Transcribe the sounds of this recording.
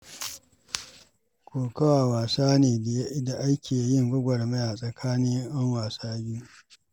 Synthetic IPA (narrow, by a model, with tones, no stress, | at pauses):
kʰʷoː˨kɐ˦waː˨waː˨saː˦neː˨da˨jda˨ʔa˦jkʲeː˨ja˨˦jɪ˦˨ŋɡʷʊ˦ɡʷɐ˨rme˦ja˨sʼɐ˨kʰaː˦nɪ˦ŋʔɐ˦ŋwaː˨saː˦ɡʲiː˦